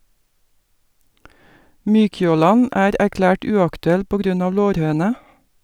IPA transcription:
ˈmyːçoːˌlɑn ˈæːɾ æɾˈklæːʈ ˈʉːɑktʉˌɛl ˈpoː ˈɡɾʉn ˈɑː ˈloːɾˌhøːnə

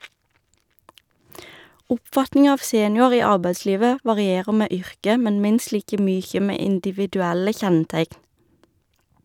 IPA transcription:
ˈʊpˌfɑtnɪŋɑ ˈɑːʋ ˈseːnjʊɑʁ ˈiː ˈɑʁbæɪˌsliːʋə ʋɑʁɪˈeːʁə ˈmeː ˈʏʁkə ˈmɛn ˈmɪnst ˈliːkə ˈmyːçə ˈmeː ɪndɪʋɪdʉˈælə ˈçɛnˌtæɪkn

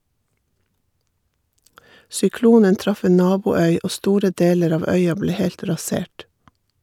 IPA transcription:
sʏˈkluːnən ˈtɾɑf ˈeːn ˈnɑːbuːˌœʏ ˈʔoː ˈstuːɾə ˈdeːləɾ ˈɑːʋ ˈœʏɑ ˈbleː ˈhɛlt ɾɑˈseːʈ

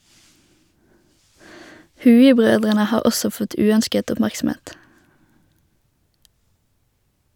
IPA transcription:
ˈhʉːɪˌbʁøːdʁənə ˈhɑːʁ ˈɔsɔ ˈfɔt ˈʉːœnskət ʊpˈmæʁksm̩ˌeːt

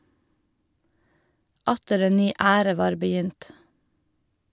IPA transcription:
ˈɑtəɾ ˈeːn ˈnyː ˈæːɾə ˈʋɑːɾ bəˈjʏnt

